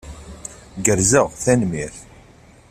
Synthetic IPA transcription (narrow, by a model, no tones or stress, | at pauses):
ɡəɾzəʁθænmiθ